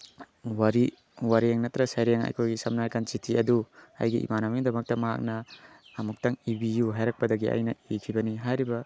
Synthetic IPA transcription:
waɾi | waɾieŋnɐtɾɐsajɾeŋa̰jkʰojɡisɐmnajkant͡ʃitʰiɐdua̰jɡiʔḭmanamiŋdɐmɐk̚tɐmaɦa̰k̚nɐː | muk̚taŋibijuɦajɾak̚pɐdɐɡia̰jnɐikʰibɐniɦajɾibɐ

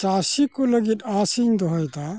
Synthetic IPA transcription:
t͡ʃasikoləɡit̪asiɲd̪ɔɦɔjt̪a

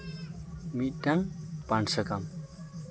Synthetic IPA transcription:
midaŋpansəkam

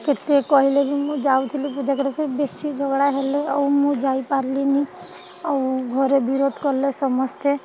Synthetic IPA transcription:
ket̪ekɔɦilebʱimũd͡ʒaut̪ʰilipud͡ʒakɔɾpʰeɾbesid͡ʒʱɔɡɽaɦeleɔumũd͡ʒaipaɾlini | ɔwɡʱɔɾebiɾod̪ʱkɔɾlesɔmɔst̪e

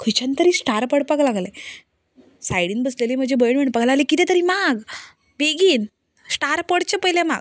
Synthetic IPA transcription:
kʰut͡ɕant̪əɾiːsʈaɾpəɽpəɡlaɡle | sajɽiːnbəslelim̤əd͡ʑebəjɳʋeɳʈpəɡlaɡlekit̪ɛ̃t̪əɾiːmaɡ | beɡiːn | sʈaɾpəɽt͡ɕepəjlẽma̰ɡ

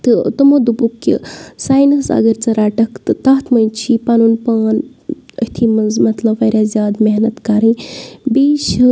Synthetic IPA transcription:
t̪ɨt̪ɨmod̪ubukːḭsaːjnɐsɐ̰ɡɐɾʲt͡sɐɾaːʈɐkt̪ɨt̪aːt̪ʰmɐjt͡ʃʰipanunpaːnə̰t̪ʰimɐnzmɐt̪lɐbːɐɾʲjazʲjaːd̪meɦnɐt̪kaɾĩbeːʃ

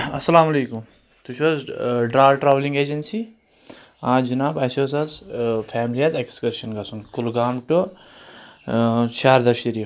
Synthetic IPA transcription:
ɐsɐlaːmɐleːkum | t̪ut͡ʃʰoːzɖɾaːʈɾaːʋlĩŋɡeːd͡ʒɐnsi | ãːd͡ʒinaːbɐsoːsɐzfʰɛːmliazekskɐɾʃɐnɡɐsunkulɡaːmʈu | t͡ʃʰaːɾd̪ɐɾʃiɾi

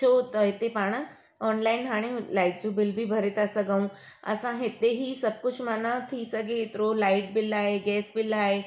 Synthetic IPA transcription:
t͡ʃot̪et̪epaːɽ̃ə | ɔːnlaːɪnɦaːɽ̃ẽlaɪʈ̚d͡ʑubɪlbʱibʱɐɾet̪asəɡaːũ | ə̰sãɦet̪eɦisɐb̚kʊt͡ʃʰmanat̪ʰisəɡet̪ɾolaɪʈ̚bɪlaːeɡɛːsbɪlaːe

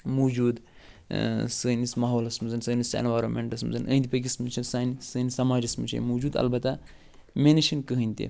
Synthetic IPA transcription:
mod͡ʒuːd̪ | səːnismɐɦoːlɐsmɨzɐnsəːnisɐ̰nʋajɾomḛɳʈɐsmɨ̰zɐnə̰ːnd̪ipɐɡʲismɨnt͡ʃʰɐnsaːnisəːnisɐmaːd͡ʒɐsmɨ̰t͡ʃʰɐ̰nmoːd͡ʒuːd̪ɐ̰lbɐt̪a | menɐʃinkəɦɨnʲt̪ḛ

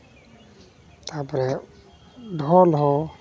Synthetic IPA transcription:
t̪apɾɛ | ɖʱɔlɦɔ

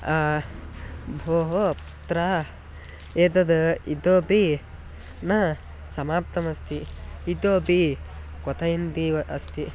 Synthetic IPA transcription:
a | bʱoːɦo | t̪ɾa | eːd̪ɐd̪ɐid̪oːbi | nɐ | sɐmaːp̚t̪ɐmɐst̪iid̪oːbi | kɔt̪ɐjind̪iɐʔɐst̪i

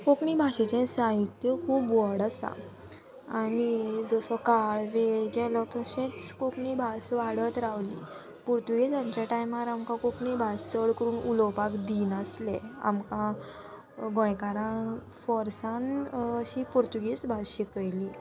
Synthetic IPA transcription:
kokɳibʱaɕet͡ɕẽsãjut̪jəkʰuːbʋɔɽasa̰ | anid͡zəsɔkaɭʋeɭɡɛlɔt̪ɔɕẽt͡skokɳibʱasʋaɽət̪ɾaʋlḭ | puɾt̪uɡit͡samt͡ɕjaʈajmaɾamkãkokɳibʱast͡səɭkəɾuːnulɔwpakd̪iːnəslɛa̰mkã | ɡɔ̃jkaɾã | fɔɾsanɕiːpuɾt̪uɡisbʱaɕikəjli

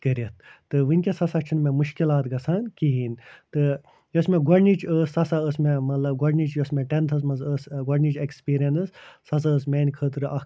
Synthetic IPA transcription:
kəɾɐt̪ʰt̪ɨʋɨnʲkʲesɐsɐkt͡ʃʰunmẽmuʃkilaːt̪ɡɐsʰankiɦint̪ɨ | josmeɡɐɽnit͡ʃʰəsɐsaəsmemɐt̪lɐbɡɐɾnit͡ʃjosmeʈent̪ʰɐs̬mɐzəsɡɐɾnʲit͡ʃekspiːɾijɐnɨsː | ɐs̬aəsmeːnʲkʰət̪ɨɾɨʔɐ

